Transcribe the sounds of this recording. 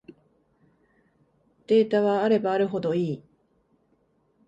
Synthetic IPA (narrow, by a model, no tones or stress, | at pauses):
d̪̥e̞ːt̪aβaːɾe̞baːɾɯ̟ɦo̞d̪o̞iː